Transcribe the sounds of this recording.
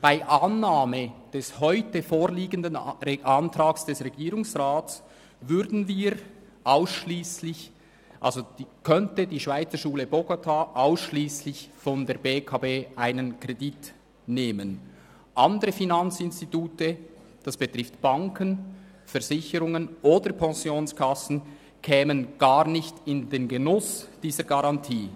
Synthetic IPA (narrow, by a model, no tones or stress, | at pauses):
b̥aɪʔɑnːaːməd̥ɛshɔʏtəfoːʁliːɡəndənʔɑntʁaːksd̥ɛsʁɛɡiːʁʊŋsʁaːt͡s | vʏɾdn̩viːɾ | ʔaʊsʃliːslɪç | ʔa̰lzo̥kʰœntədiːʃv̥aɪt͡səʃuːləboɡotʰaʔaʊsʃliːslɪçfɔndeːɐbeːkʰaːbeːʔaɪnənkʁ̥edit | neːmən | ʔɑndəʁəfinɑnt͡sɪnstituːtəd̥ɑsb̥ətʁ̥ɪftb̥ɑŋkʰən | fɛɐzɪçəɾʊŋənʔoːdəpʰɛnsjoːnskʰɑsn̩ | kʰɛːmənɡ̥ɑːʁnɪçtɪndeːnɡenʊsd̥iːzəɡaʁɑntʰiː